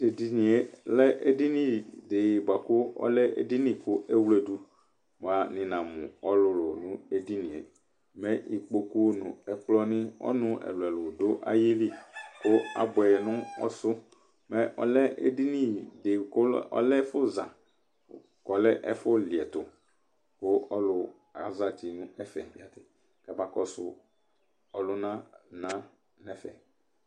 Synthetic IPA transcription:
de˨di˨nĩ˨e˦lɛ˦ʔe˦di˦nĩ˦dɪ˨ba˨kʊ˦ɔ̰˦lɛ˦ʔḛ˦di˦nĩ˦kʊ˦ʔe˦wle˨du˦ | m˨a˨nɪ̃˨nã˨mʊ̰̃˨ɔ˦lʊ˨˦˨lʊ˨nʊ̃˦e˦di˦nĩ˨ḛ˨ | mɛ̃˦ʔi˨k͡po˦ku˦nʊ̰̃˨ɛ˨k͡plɔ˦nɪ̃˦ɔ̰˦nʊ̃˦ɛ̰˨lɛ˨lʊ˨dʊ˦ʔa̰˦ji˦li˦kʊ˦a̰˨bʊ˨ɛ˨nʊ̃˦ɔ̰˦sʊ˦ | mɛ˦ʔɔ̰˨lɛ˦ḛ˦di˦nĩ˦˨dɪ˨kɔ̰˦lɛ˦fʊ˦zã˨ | kɔ˨lɛ˦ʔɛ̰˦fʊ˦li˨ɛ˨t̪ʊ˨ | kʊ˦ɔ˦lʊ˦ | a̰˨za˨t̪i˨nʊ̃˦ɛ˦fɛ̰˨ja˨t | ka˨ba˨kɔ˦sʊ˦ | ɔ˨lʊ˦nã˦nã˦ | nɛ˦fɛ̰˨

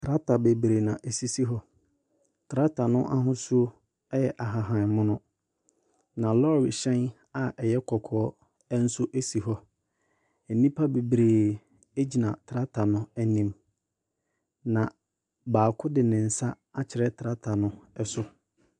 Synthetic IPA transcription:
tʰɾa˦tʰa˨be˨bɾe˨nã˨ʔe˨si˦si˦ɦɔ˦ | tʰɾa˦tʰa˨nʊ̃˦ʔa˦ɦʊ̃˦su˦o˦ | ɛ˦jɛ˨ʔa˨ɦa˨ɦã˨mʊ̃˦nʊ̃˦ | nã˨lɔ˦˨ɾɪ˨ɕɛ̃˦n | a˨ʔɛ˨jɛ˦kʰɔ˨kʰɔː˦ | n̩˦sʊ˦ʔe˦si˨ɦɔ˦ | e˨nĩ˦pʰa˦be˨bɾeː˨ | e˦d͡ʑi˨nã˨tʰɾa˦tʰa˨nʊ̃˦æ˨nĩ˦m | nã˨ | baː˨kʰʊ˦dɪ˨nɪ̃˨n̩˨sa˦ | a˦t͡ɕʰɪ˨ɾɛ˦tʰa˦tʰa˨nʊ̃˦ɛ˦sʊ˦

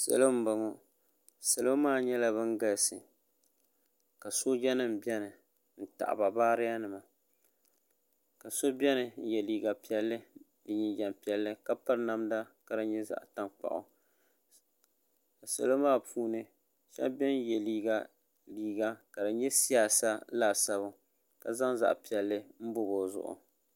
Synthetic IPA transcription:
sa̰˨lo˦m̩˦ba˨ŋɔ˨ | sa˨lo˦maː˦˨ɲɛ˦la˦βɨ˦ŋɡa˦lsɨ̰˨ | ka˨so˦d͡ʒɛ˦nɨ˦m˨bɛ˦nɨ˨ | n̩˨ta̰˨ʔba˨baː˦ɾɪ˦ja˦nɨ˨ma˨ | ka˨so˦bɛ˦nɨ˨n̩˦jɛ˨liː˨ɡa˨pi˦ɛ˦lːɨ˦ | dɨ˨ɲi˨d͡ʒɛ˨mpi˨ɛ˨lːɨ˦ka˦pa˦ɾna˦mda˦ka˨dɨ˨ɲɛ˦za̰˨ʔta˦ŋk͡pa̰˨ʔʊ̰˨ | a˨sa̰˨lo˦maː˦˨pʰuː˦nɨ˦ | ʃa̰˦bɛ˦n˦jɛ˨liː˦ɡa˦ | liː˨ɡa˦ka˨dɨ˨ɲɛ˦si˦a˨sa˦laː˨sa˦bʊ˦ | ka˨za˦ŋza̰˨ʔpi˨ɛ˨lːɨ˦m̩˦bʊ˦bo˨zʊ̰˨ʔʊ̰˨

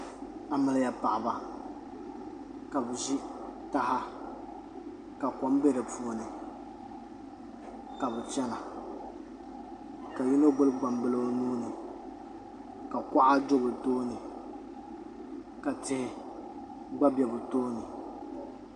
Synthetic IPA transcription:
a˨mɨ˨lja˨pa̰˨ʔa˨ba˨ | ka˨bɨ˨ʒi˦ta˦ha˦ | ka˨kɔ˦m˦bɛ˦dɨ˨pu˦˨˦nɨ˨ | ka˨bɛ˨t͡ʃɛ˦na˨ | ka˨ju˦no˦ɡ͡bʊ˦lɨ˦ɡ͡ba˨mbɨ˦lo˦o˦nuː˦nɨ˨ | ka˨ka˦ʔa˦d͡ʒo˦bɨ˨toː˦nɨ˨ | ka˨tɪ˦hɪ˦ | ɡ͡ba˦bɛ˨bʊ˨toː˦nɨ˨

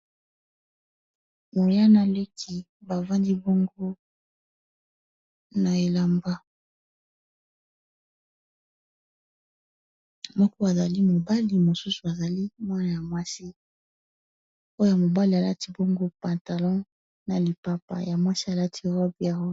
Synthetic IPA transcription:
mo˨ja˦na˨le˦kʰi˦ | ba˨vã˦ndi˦bɔ˦ŋɡo˦ | na˨e˨la˨mba˦ | mɔ˦kɔ˦a˨za˨li˦mo˨ba˦li˨mo˨su˦su˨a˨za˨li˦mwa˦na˨ja˨mwa˦si˦ | o˦jja˨mo˨ba˦li˨a˨la˦ti˦bɔ˦ŋɡo˦pã˨nta˨lɔ̃˦ | na˨li˨pa˨pa̰˨ja˨mwa˦si˦a˨la˦tʰi˦ʁɔ˦bi˨a˨wɔ˦

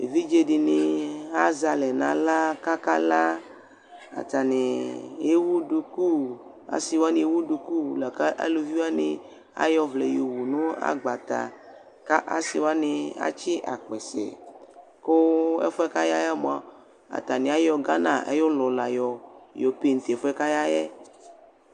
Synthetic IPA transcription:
ḛ˨vi˦d͡ʒe˦ɖi˨nɪ˨a˦za˨lɛ˨nã˨la˦ka˦ka˦la˦ | a̰˨t̪a˨ne˨je˦wu˦du˨ku˦ | a̰˨si˨wa˦nẽ˨je˦wu˦du˨ku˦˨la˨ka˦ʔa̰˦lo˨vi˦wa˦nɪ̰˦ | a̰˦jɔ˦vle˨jo˨wu˨nũ˦a̰˦ɡ͡ba˨t̪a̰˨ | ka˦ʔa̰˦si˨wa˦nɪ˨a̰˦t͡ʃi˦ʔa̰˨k͡pɛ˨sɛ̰˨ | ko˦ɛ̰˦fɛ˦ka˦ja˦jɛ˦m̃˨a˨ | a̰˨t̪a˨nẽ˨a˦jɔ˨ɡa˦nã˨ʔḛ˦jo˦lɔ˨la˨jɔ˨jɔ˨pe˦˨n̩˨t̪e˨ɛ˨fo˦ɛ˦ka˦ja˦jɛ˦

